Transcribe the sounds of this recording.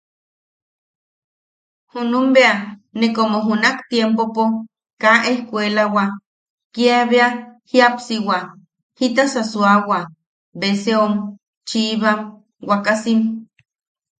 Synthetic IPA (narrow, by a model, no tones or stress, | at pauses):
hunumbeanekomoɦunakt̪jempopo | kaʔehkʷelawa | kiaβeahiapsiwa | hit̪asasuawa | beseom | t͡ʃiβam | wakasim